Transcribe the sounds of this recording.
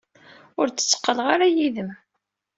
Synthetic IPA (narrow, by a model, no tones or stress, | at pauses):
ʊɾt͡sːə̥t͡sːə̥qːəlʁaɾajiðəm